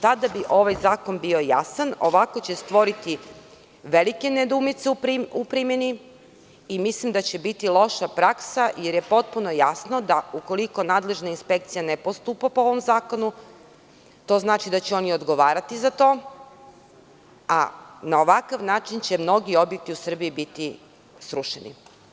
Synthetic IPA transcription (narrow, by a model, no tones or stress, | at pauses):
t̪ad̪abiʔo̞ʋajzaːko̞nbio̞ja̰sano̞ʋako̞t͡ɕe̞st̪ʋo̞ɾit̪i | ʋelikened̪umit̪seuiupɾimjeni | imislimd̪at͡ɕe̞bit̪ilˠo̞ʃapɾaksaje̞ɾje̞po̞t̪̚puno̞jasno̞d̪auko̞liko̞naːd̪le̞ʒnainspe̞kt̪sijane̞post̪upapooʋo̞mzaːko̞nu | t̪o̞ːznaːt͡ʃid̪at͡ɕeo̞niod̪ɡo̞ʋaːɾat̪izat̪o̞ː | a̰nao̞ʋakaʋnaːt͡ʃint͡ɕe̞mno̞ɡio̞bjek̚t̪iusr̩biibit̪i | sɾuʃenḭ